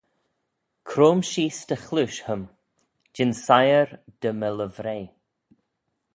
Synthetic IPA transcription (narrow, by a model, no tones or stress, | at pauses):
kʰɾoːmʃiːst̪əxluʃhəm | d͡ʒɪnsajəɾd̪̥əmələvɾeː